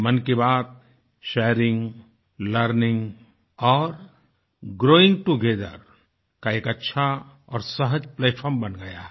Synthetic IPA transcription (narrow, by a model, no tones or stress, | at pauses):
mɐnkebaːd̪̚ | ʃɛːɾɪ̃ŋɡ | ləɾnɪ̃ŋɡ | ɔːɾ | ɡɾoːɪ̃ŋɡ̚ʈuɡʱeːd̪ə̰ɾ | kaeːkɐtːʃʰa | ɔːɾsɐɦəd͡ʒpleːʈʰpʰəɾmbɐnɡɐja̰ːɦ